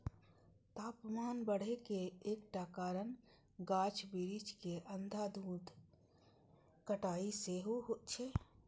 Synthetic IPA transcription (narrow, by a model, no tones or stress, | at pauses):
t̪aːpmaːnbəɽ̤ekeeːkʈakaːɾən | ɡaːt͡ʃʰbiɾit͡ʃkeʔənd̪ʱad̪ʱuːd̪ | kəʈaːiseɦoɦot͡ʃʰe